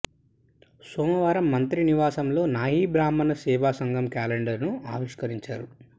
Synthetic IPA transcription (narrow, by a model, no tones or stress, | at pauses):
sɔːmɐʋaːɾɐmːɐnt̪ɾiniʋaːsɐmlo̞ːnaːɦiːbɾaːmɐnɐsɛːʋaːsɐŋɡɐmkaːleɳɖɐɾnuaːʋiʂkɐɾiɲt͡ʃaːɾu